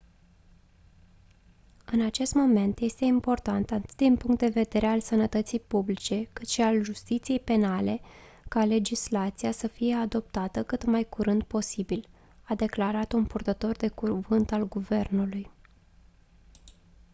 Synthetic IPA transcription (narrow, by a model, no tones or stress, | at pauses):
ɨnat͡ʃe̞st̪mo̞me̞nt̪je̞st̪e̞impo̞rt̪ant̪at̪ɨ̥t̪d̪inpuŋkt̪̚d̪e̞ve̞d̪e̞ɾe̞alsənət̪ət̪sijpublit͡ʃe̞kɨt̪ʃialʒust̪it̪sije̞jpe̞nale̞ | kale̞d͡ʒislat̪sijasəfije̞ad̪o̞p̚t̪at̪əkɨt̪majkuɾɨnd̪̚po̞sibil | ad̪e̞klaɾat̪unpurt̪ət̪o̞rd̪e̞kuvɨnt̪alɡuve̞rnuluj